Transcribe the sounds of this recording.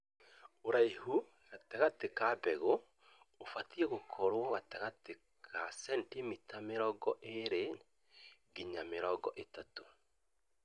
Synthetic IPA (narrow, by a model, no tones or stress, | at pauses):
oɾaihu | ɣataɣatekabɛɣo | ofatiɛɣokʰɔɾwɔɣataɣate | kʰasɛntimitameɾɔɡɔʔeɾe | ɡiɲameɾɔɡɔʔetato̥